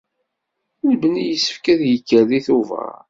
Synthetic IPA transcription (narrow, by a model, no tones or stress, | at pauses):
nbənijəsːə̥fkæðjəkːəliθuvə̰ɾ